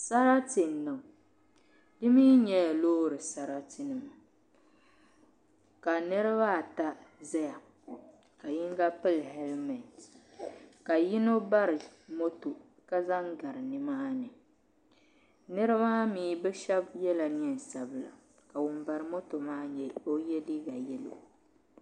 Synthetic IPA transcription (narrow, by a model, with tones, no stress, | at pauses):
sa˦ɾa˦tɪ˨n˨nːa˨ʊ˨ | dɨ˦miː˦ɲɛ˦a˨loː˦ɾɨ˨sa˦ɾa˦tɪ˦nɨ˨m˨ | ka˨nɨ˦ɾɨ˦βa˦˨ta˦zɛ˦ja˨ | ka˨ji˦ŋɡa˦pɨ˦lɦɛ˦lmɛ˨ | ka˨ji˦no˦ba˦ɾɨ˨mo˦to˨ | ka˦za˦ŋɡa˨ɾɨ˨nɨ˨maː˦nɨ˨ | nɨ˦ɾɨ˦maː˦miː˨˦bɛ˦ʃɛ˦bjɛ˦la˨ni˦ɛ˨n˨sa˨bɨ˨la̰˨ | ka˨wʊ˨mba˨ɾɨ˨mo˦to˨maː˦ɲɛ˦o˦jɛ˦di˦ɡa˨jɛ˦lo̰˨